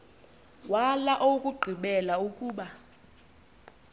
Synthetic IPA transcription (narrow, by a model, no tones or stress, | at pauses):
walaʔokʼuɡ͡ǃʱiɓɛlaukʼuːɓa